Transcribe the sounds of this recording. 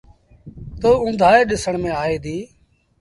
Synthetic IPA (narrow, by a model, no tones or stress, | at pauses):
t̪oːʊ̃nd̪ʱaːeːɗɪsəɳmẽːaːɦeːd̪iː